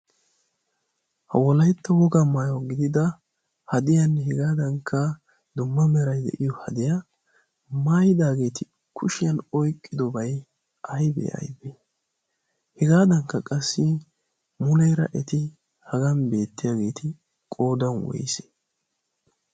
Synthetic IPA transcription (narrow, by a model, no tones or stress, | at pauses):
hɐ̰wɔlɐjt̪ːɐwɔɡamaːjɔɡɪd̪ɪd̪ɐ | hɐd̪ɪjanːɛhɛɡaːd̪ɐŋkʰːɐ | d̪ʊmːɐmɛɾɐjd̪ɛ̰ʔɪjɔhɐd̪ɪja | maːjɪd̪aːɡe̞ːt̪ɪ | kʰʊʃɪjɐnɔjkʼːɪd̪ɔbɐj | ʔɐjbɛ̰ɐ̰jbe | hɛɡaːd̪ɐŋkːɐkʼɐsːɪ | mʊlɛjɾɐ̰ʔɛt̪ɪ | hɐɡɐnbe̞ːt̪ːɪjaːɡe̞ːt̪ʰɪ | kʼo̞ːd̪ɐnwɔ̰jɪse̥